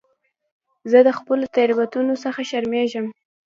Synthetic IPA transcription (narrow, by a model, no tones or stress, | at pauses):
zəd̪əxpəlot̪aɾibat̪unosəxaʃaɾmeʒəm